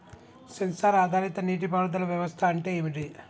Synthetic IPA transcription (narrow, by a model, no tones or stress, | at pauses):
sɐnsaːɾaːd̪ʱaːɾit̪ɐniːʈ̬ipaːɽud̪ɐlɐʋjɐʋɐst̪ʰɐːɳʈe̞ːʋiʈi